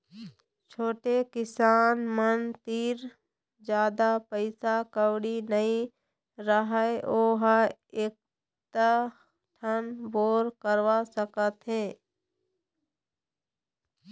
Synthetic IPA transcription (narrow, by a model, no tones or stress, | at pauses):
t͡ʃʰoːʈekɪsaːnmənt̪iːɾ | d͡ʒjaːd̪apəɪsakəwɽinəĩ | ɾəɦəeʔoːɦaeːk̚ | t̪a | ʈʰənboːɾkəɾʋasəkət̪ɦɛ̃ː